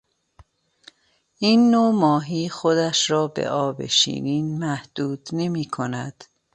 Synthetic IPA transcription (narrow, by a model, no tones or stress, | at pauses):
ʔiːnːomɒːɦiːxod̪æʃɾɒːbe̞̰ʔɒːbḛʃḭːniːnmæhd̪̥uːd̪ne̞miːkʰo̞næd̪̥